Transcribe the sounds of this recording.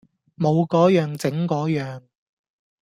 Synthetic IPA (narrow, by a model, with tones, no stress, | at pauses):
mo˨˧wkɔː˨˥jœː˨˧ŋt͡sɪ˨˥ŋkɔː˨˥jœː˨ŋ